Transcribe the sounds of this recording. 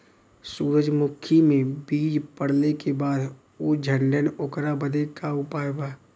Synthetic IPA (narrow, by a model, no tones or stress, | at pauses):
suːɾəd͡ʒmʊkʰimẽbiːd͡ʒpəɽ̤lekebaːd̪ | oːd͡ʒʱəɳɖənʊkɾabəd̪ekaʊpaːjbaː